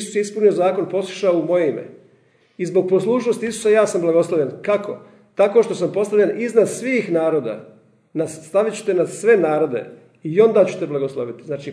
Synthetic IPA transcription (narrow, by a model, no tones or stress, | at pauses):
su̥sjeispunio̞zaːko̞npo̞su̥ʃaoumo̞jeimḛ | izbo̞ɡ̚po̞slˠuːʃnost̪iisu̥sajaːsamblˠaɡo̞slˠoʋʎenkako̞ | t̪ako̞ʃt̪o̞sampo̞st̪aʋʎeniznad̪sʋiːxnaːɾo̞ːd̪a̰ | nast̪aʋit͡ɕu̥t̪e̞nad̪sʋe̞naːɾo̞d̪e̞̰ | io̞nd̪aːt͡ɕu̥t̪e̞blˠaɡoslˠoʋit̪iznaːt͡ʃi